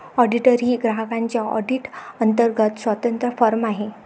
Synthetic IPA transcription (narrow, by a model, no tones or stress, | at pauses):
ɔɖiʈəɾiɡɾaɦəkãɲt͡ɕjaɔ̰ɖiʈənt̪əɾɡət̪sʋət̪ənt̪ɾəfɔɾmaɦe